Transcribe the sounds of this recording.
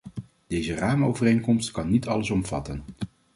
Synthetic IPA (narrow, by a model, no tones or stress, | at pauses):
d̥ejzəraːməowvərejŋkɔmstkɑnːitɑləsɔmv̥ɑ̰tən